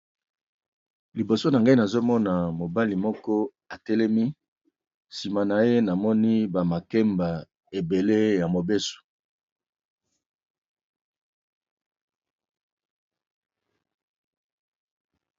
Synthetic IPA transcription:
li˨bo˨so˦na˨ŋɡa˦i˦na˨zo˦mɔ˦na˨mo˨ba˦li˨mɔ˦kɔ˦ | a˨tɛ˦lɛ˦mi˦ | si˨ma˨na˨je˦na˨mɔ˦ni˦ba˨ma˨kɛ˦mba˨ | e˨be˨le˦ja˨mo˨be˦so̥˨

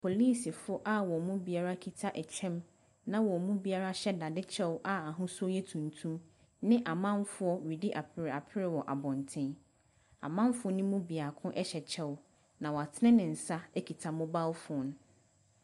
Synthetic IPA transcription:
pʰo˨li˦˨si˨fʊ˦ʔa˦wɔ˨mũ˦bi˦a˦ɾa˦kʰi˨tʰa˦ʔɛ˨t͡ɕᶣʰɛ̃˦m | nã˦wɔ˨mũ˦bi˦a˦ɾa˦ɕɛ˦da˨dɪ˦t͡ɕʰɛ˦wʔa˨a˨ɦʊ̃˦su˦ɔ˦jɛ˦tʰũ˨ntʰũ˦m | nɪ̃˦ʔa˨mã˦mfʊ˦ɔ˦wi˨di˦ʔa˨pʰɪ˦ɾɪ˨a˨pʰɪ˦ɾɪ˨wɔ˨ʔa˨bɔ̃˨ntʰɪ̃˦ | a̰˨mã˦mfʊ˦ɔ˦nʊ̃˦mũ˦bi˨a˨kʰʊ̃˦ʔɛ˦ɕɛ˨t͡ɕʰɛ˦w | nã˨wɔ˨a˨tʰɪ˦nɪ̃˦nɪ̃˨n̩˨sa˦ɛ˦kʰi˨tʰa˨mʊ̃˦ba˦wfʊ˦n˦

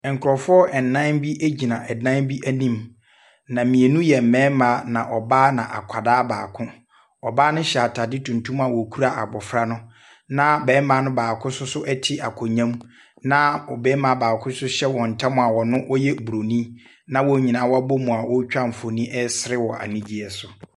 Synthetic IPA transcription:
ŋ˨kʰʊ˨ɾɔ˨fɔ˦ʔɛ˨n̩˨nːã˦bi˦ʔæ˦d͡ʑi˨nã˨ʔɛ˨dã˦n˦bi˦ʔæ˦nĩ˦m | nã˨mĩ˨e˨nũ˦jɛ˨m̩˨mɛ̃ː˨˦mã˨˦nã˨ʔɔ˨baː˦nã˨ʔa̰˨kʷʰa˨daː˦baː˨kʰʊ̃˦ | ɔ˨baː˦nʊ̃˦ɕa˨tʰa˨dɪ˦tʰũ˨n˨tʰũ˦m˦a˨wɔ˨kʰu˦ɾa˦ʔa̰˨bɔ˨fɾa˦nʊ̃˦ | nã˦bɛː˨˦mã˨˦nʊ̃˦baː˨kʰʊ̃˦sʊ˦sʊ˦ʔɛ˦tʰɪ˦ʔa˨kʰɔ˨ɲã˦m | nã˦ɔ˨bɛː˦mã˨baː˨kʰʊ̃˦sʊ˦ɕɛ˦wɔ˨n̩˨tʰã˦mʊ̃˨a˨wɔ˨nʊ̃˦ʔɔ˦jɛ˦bu˨ɾo˨nĩ˦ | nã˦wɔ˦ɲĩ˨nã˨˦wɔ˦a˦bo˦mũ˨a˨wɔ˦t͡ɕᶣa˦m̩˨fo˨nĩ˦ʔɛ˦sɪ˦ɾɪ˦wɔ˨ʔa̰˨nĩ˦d͡ʑi˦ɛ˨sʊ˨

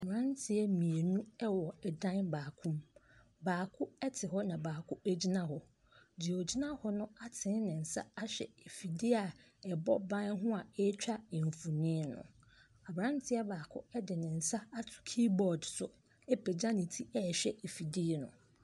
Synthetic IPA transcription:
a˨bɾã˦ntʰɪ˦ɛ˦mĩ˨e˨nũ˦ɛ˦wɔ˨ɛ˨dã˦nbaː˨kʰũ˦m | baː˨kʰʊ˦ɛ˦tʰɪ˨ɦɔ˦nã˨baː˨kʰʊ˦æ˦d͡ʑi˦nã˦hɔ˨ | d͡ʑi˨o˨d͡ʑi˦nã˦hɔ˦nʊ̃˦a˦tʰɪ̃˨˦n˦nɪ̃˨n̩˨sa̰˦a˦ɕᶣɛ̰˨e˨fi˨di˦a˨ | ɛ˨bɔ˦bã˦n˦ɦʊ̃˦a˨ɛ˦t͡ɕᶣa˦ɛ˨ɱ˨fu˨nɪ̃˦nʊ̰̃˨ | a˨bɾã˦n˦tʰɪ˦ɛ˦baː˨kʰʊ̰˦ɛ˦dɪ˨nɪ̃˨n̩˨sa˦a˦tʰʊ̥˨kʰi˦bɔ˨dsʊ˨ | ɛ˦pʰɛ˨d͡ʑã˦nɪ̃˨tʰi˦ɛ˦˨ɕᶣɛ˦˨e˨fi˨di˦˨nʊ̰̃˨

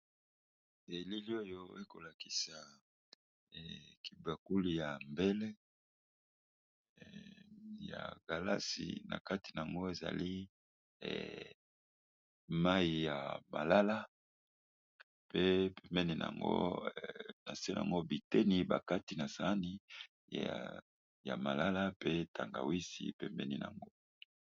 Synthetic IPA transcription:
e˨li˦li˦o˦jo˦e˦ko˨la˨ki̥˨sa˨ | ɛ˨ki˨ba˨ku˦li˨ja˨mbe˦le˦ | ja̰˨ɡ̥a˨la̰˦sḭ˨na̰˨ka˦ti˨na˨a˨ŋɡo˦e˨za̰˨li˦ | ɛ̰˨ | ma˦i˨ja˨ma̰˨la˦la˦ | pe˦pɛ˨mbɛ˦ni˨na̰˨ŋɡo̰˦ | na˨se˦n˨a̰˨ŋɡo˦bi˨tɛ˦ni˨ba˨ka˦ti˨na˨sa˨˦ni˦ | ja̰˨ma˨la˦la˦pe˦tʰa˨ŋɡa̰˨wi˦sḭ˨pɛ˨mbɛ˦nḭ˨na̰˨ŋɡo˦

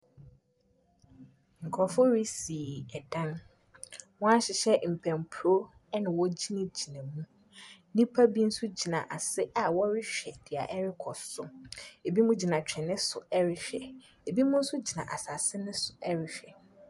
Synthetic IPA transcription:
ŋ̩˨kʰɔ˨fo˦ɾi˦si˨ɛ˨dã˦n | wɔ̃˦a˦ɕɪ˨ɕɛ˦m̩˨pʰɛ̃˨m˨pʰɾo˦ | ɛ˦nɪ̃˨wɔ˦d͡ʑi˦nã˦d͡ʑi˨nã˨mũ˦ | nĩ˦pʰa˦bi˦n̩˦sʊ˦d͡ʑi˨nã̰˨ʔa˨sɪ˦ʔa˨wɔ˦ɾɪ˦ɕᶣɛ˨d̥ɪ˨a̰˨ʔɛ˦ɾɪ˦kʰɔ˨sʊ˦e˨bi˦mũ˦d͡ʑi˨nã˨t͡ɕᶣɛ̃˨nɪ̃˦sʊ˨ɛ˦ɾɪ˨ɕᶣɛ˨ | e˨bi˦mũ˦n̩˦sʊ˦d͡ʑi˨nã̰˨ʔa˨sa˨sɪ˦nɪ̃˦sʊ˨ʔɛ˦ɾɪ˨ɕᶣɛ˨

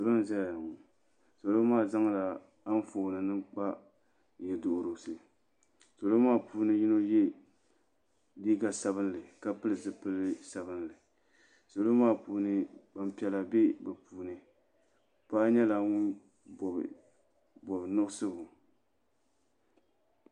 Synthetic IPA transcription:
so˨lo˦n˦za˦ja˨ja˨ŋʊ˨ | so˨lo˦maː˦˨za˦ŋ˦la˨ | a˦n˦foː˨nɨ˨nɨ˦k͡pa˦ | jɛ˨do˨ʔʊ˨ɾo˨sɨ˨ | so˨lo˦maː˦puː˦nɨ˦ji˦no˦jɛ˦ | di˦ɡa˨sa˨βɨ˦n˦lɨ˨ka˦pɨ˦lɨ˨zɨ˨pɨ˦lɨ˦sa˨bɨ˦nlɨ˨ | so˨lo˦maː˦˨puː˨nɨ˨ba˨m̩˨pi˦ɛ˨la˨be˦bɛ˨pʰuː˨nɨ˨ | paː˦ɲɛ˦la˨ŋʊ˦n̰˨ | bɔ˨bnʊ˦ʔsɨ˦bʊ˨

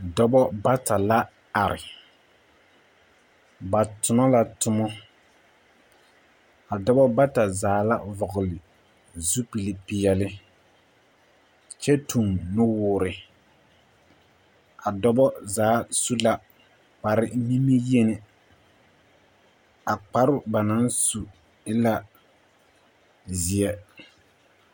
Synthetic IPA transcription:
dɔ˦bɔ˦ba˦ta˨la˦ | a˨ɾɪ̰˨ | ba˨tʊ˨mɔ˦la˨tʊ˦mɔ˦ | a˨dɔ˦bɔ˦ba˦ta˨zaː˨˦la̰˦vɔ˨ɣʊ˨lɪ˨ | zu˦pi˨li˨pɪ˨jɛ˨lɪ˦ | t͡ʃɛ˦tʰu˨mnʊ˦wʊː˨˦˨ɾɪ˨ | a˨dɔ˦bɔ˦zaː˨˦su˦la˦ | k͡pa˨ɾɪ˨mi˦mi˦je˦nɪ˨ | a˨k͡pa˨ɾʊ˦ba˨na˨˦nsu˨ | ɪ˦la˦ | zɪ˨ɛ˦

